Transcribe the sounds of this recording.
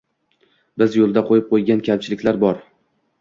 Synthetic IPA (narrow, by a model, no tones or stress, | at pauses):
bɪzjolˠd̪aqʰojɪp̚qʰojɡʲankʲʰamt͡ʃʰɪlɪkʲlaɾbɒɾ